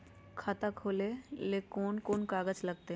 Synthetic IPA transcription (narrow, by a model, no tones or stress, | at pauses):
kʰaːt̪akʰoːlelekoːnkoːnkaːɡəd͡ʒlɐɡ̚t̪e